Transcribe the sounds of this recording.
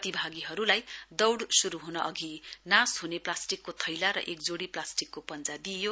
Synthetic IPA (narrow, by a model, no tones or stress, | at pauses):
t̪ibʱaɡiɦʌɾulajd̪ʌwɽsuɾuɦunʌʔʌɡʱinasɦuneplasʈikːot̪ʰʌjlaɾʌ̰ʔek̚d͡zoɽiplasʈikːopʌnt͡sad̪ijo